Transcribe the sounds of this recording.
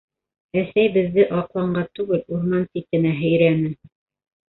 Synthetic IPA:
æsæjbɘ̆ðːɘʔɑqlˠɑɴɢɑt̪ʉɡɘluɾmɑnt̪ip̚kɘ̆næɦɵ̆jɾænɘ

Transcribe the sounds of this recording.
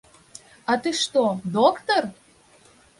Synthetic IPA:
ɑt̪ɨʃt̪od̪okt̪or

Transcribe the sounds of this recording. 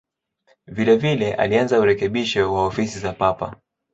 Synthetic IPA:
vilɛvilɛʔa̰lianzauɾɛkɛɓiʃɔwaɔfisizapapa̰

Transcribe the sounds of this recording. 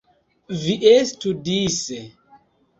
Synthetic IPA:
viʔestudise

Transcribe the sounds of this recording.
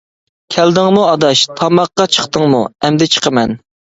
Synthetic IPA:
kʲʰæld̪ɪŋmuɑd̪ɑʃt̪ʰɑmɑqːɑt͡ʃʰə̥χt̪əŋmuɛmd̪ɛt͡ʃʰə̥qʰəmɛn

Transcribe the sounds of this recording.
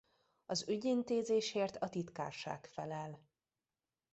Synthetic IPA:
ɒzyɟint̪eːzeːʃeːrt̪ʰɒt̪it̪ka̰ːrʃa̰ːkfɛlɛl

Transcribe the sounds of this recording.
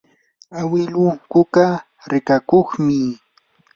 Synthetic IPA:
awɪlʊkʊka | ɾɪkakoχmɪ

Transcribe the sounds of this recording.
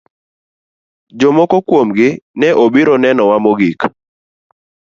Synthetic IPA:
d͡ʒomɔkɔkwomɡɪnɛʔobiɾɔnɛnɔwamoɡik

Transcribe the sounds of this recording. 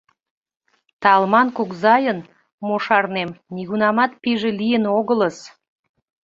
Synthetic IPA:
t̪ɑlmɑnkukzɑjən | moʃɑrnemniɣunɑmɑt̪̚piʒelijənoɣələs

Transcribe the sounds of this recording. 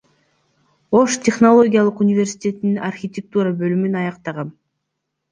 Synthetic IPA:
o̞ʃt̪ʲe̞χno̞lˠo̞ɡʲijalˠɯqunʲɪvʲe̞rsʲi̥tʲe̞t̪ininarxʲit̪ʲek̚t̪uɾabølymynɑjɑqt̪ɑʁɑn

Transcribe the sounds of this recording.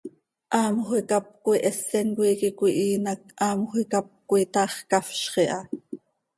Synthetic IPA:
ʔɑːmχuikɑp̚kuiʔɛsːɛnkʷiːkikʷuiʔiːnɑk̚ʔɑːmχikɑp̚kuit̪ɑːχkɑfʃχiʔɑ

